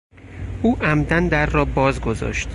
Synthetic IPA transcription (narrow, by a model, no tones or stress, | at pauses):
ʔuːʔæmd̪ænd̪æɾːɒːbɒːzɡo̞zɒ̰ːʃt̪